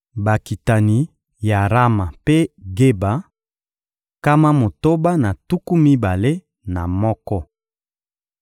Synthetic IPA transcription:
ba˨ki˨ta˨ni˨˦ | ja˨ʁa˦ma˨pe˦ɡe˦ba˨˦ | ka˦ma˦mo˨to˦ba˦na˨tu˦ku˦mi˦ba˨le˦ | na˨mɔ˦kɔ˦

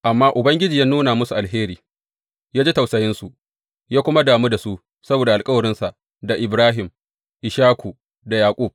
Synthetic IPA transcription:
ʔa˨mːaː˦ʔʊ˨bɐ˦ŋɡʲɪ˦d͡ʒiː˨jaː˦nuː˦naː˨mʊ˦su˨ʔa˨lɦeː˦ɾiː˨ | jaː˦d͡ʒe˦ta˨wsɐ˨jɪ˦nsu˨ʔ | jaː˦kʷʊ˦ma˦daː˨mu˦da˨su˦ | sɐ˦boː˨da˨ʔa˨lkʼɐ˦wɐ˨ɾɪ˦nsa˨ʔ | da˨ʔɪ˨bɾaː˦ɦɪ˨m | ʔɪ˨ʃaː˦kʷu˨ | da˨jaː˨kʷʼu˦˨b̚

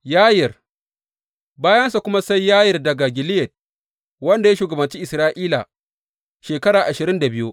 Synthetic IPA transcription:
jaː˦jɪ˨r | baː˦jɐ˦ns̬a˨kʷʊ˦ma˦sa˦jːaː˦jɪ˨rdɐ˨ɡa˨ɡʲɪ˨lɪ˦jɛ˨d̚ | wɐ˦nda˨ja˦ʃuː˨ɡɐ˨bɐ˨nt͡ʃiː˦ʔɪ˨sɾaː˦ʔiː˦la̰˨ | ʃeː˨kɐ˦ɽaː˨ʔa˨ʃɪ˨ɾɪ˦nda˨bɪ˦ju˦ʔ

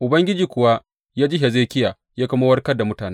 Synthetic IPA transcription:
ʔʊ˨bɐ˦ŋɡʲɪ˦d͡ʒiː˨kʷʊ˨wa˦ | jaː˦d͡ʒɪ˦ɦe˨zeː˦kʲɪ˦jaː˨ | jaː˦kɐ˦mo˦wɐ˦rkɐ˦da˨mʊ˦taː˨ne˦

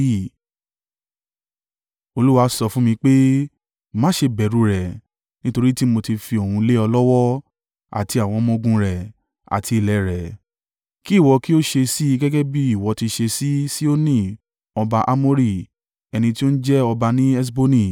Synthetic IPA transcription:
i˦˨ | o˧lu˦wa˧sɔ˧fũ˦mĩ˧k͡pe˦ | mã˦ʃe˧bɛ˨ɾu˨˧ɾɛ˨ | nĩ˦to˧ɾi˦ti˦mo˧ti˧fi˧o˨hũ˧le˦ɔ˧lɔ˦wɔ˦ | a̰˨ti˧˦a˨w̃ɔ̃˧mɔ̃˧ɡũ˧ɾɛ˨ | a̰˨tʰi˧i˨lɛ˨ɾɛ˨ | ki˦˨wɔ˧ki˦o˦ʃe˧si˦i˧ɡɛ˦ɡɛ˦bi˦i˦˨wɔ˨˧˦ti˧ʃe˧si˦si˦o˦nĩ˦˨ | ɔ˧ba˧ʔa˦mo˦ɾi˦˨ | ɛ˧nĩ˧ti˦o˦ñ̩˦d͡ʒɛ˦ɔ˧ba˧nĩ˦ɛ˦s̬bo˦nĩ˦˨

